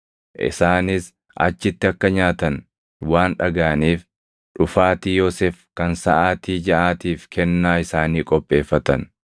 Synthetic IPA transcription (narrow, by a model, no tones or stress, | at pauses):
ʔɪ̰saːnɪs | ʔɐ̰t͡ʃːɪt̪ːɪɐkːɐɲaːt̪ɐn | waːnᶑɐɡaːniːf | ᶑʊfaːt̪iːjoːseːfkɐnsɐʔaːt̪iːd͡ʒɐʔaːt̪iːfkʰɛnːaːɪsaːniːkʼɔpʼːe̞ːfːɐt̪ɐn